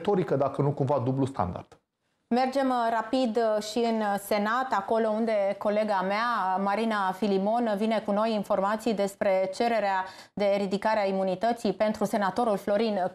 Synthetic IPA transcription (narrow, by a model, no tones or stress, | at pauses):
t̪o̞ɾikəd̪akənukumvad̪ublust̪a̰nd̪a̰rd̪̥ | me̞rd͡ʒe̞mrapid̪ʃiɨnse̞nat̪ako̞lo̞und̪e̞ko̞le̞ɡameamaɾinafilimo̞nvine̞kuno̞jinfo̞rmat̪sijd̪e̞spɾe̞t͡ʃe̞ɾe̞ɾea | d̪e̞ːɾid̪ikaɾeaimunit̪ət̪sipe̞nt̪ɾuse̞nat̪o̞ɾulflo̞ɾin